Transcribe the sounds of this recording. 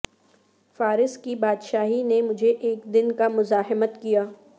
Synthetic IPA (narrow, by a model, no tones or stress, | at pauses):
faːɾɪskibaːd̪ʃaːɦinemʊd͡ʒʱeʔeːkd̪ɪnkamʊzaːɦmət̪kijaː